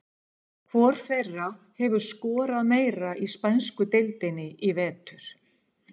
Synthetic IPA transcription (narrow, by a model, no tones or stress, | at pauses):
kʰvɔɾ̥θerːa | hɛvʏɾ̥skɔːɾaðmeːjɾaʔispanskʏt̪ɪlt̪ɪnɪʔivɛːt̪ʏɾ̥